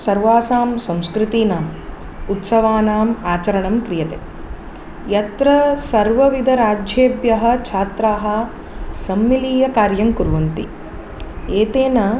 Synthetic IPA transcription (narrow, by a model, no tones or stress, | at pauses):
sɐɾʋaːsaːmsɐ̃mskɾit̪iːnaːm | ut̪sɐʋaːnaːmaːt͡ʃɐɾɐɳɐmkɾijɐt̪eː | jɐt̪ɾɐsɐɾʋɐʋid̪ʱɐɾaːd͡ʒʱjeːbjɐɦɐ̆t͡ʃʰaːt̪ɾaːɦɐ̆ | sɐmːiliːjɐkaːɾjɐmkuɾʋɐnt̪ḭ | eːt̪eːnɐ